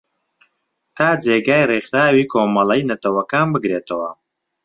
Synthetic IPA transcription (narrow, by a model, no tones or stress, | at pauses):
t̪ʰaːd͡zeːɡaːjriχɾaːwiːkʰoːmɐlɐjnɐt̪ɐwɐkaːnbɨɡɾeːt̪ʰɐwɐ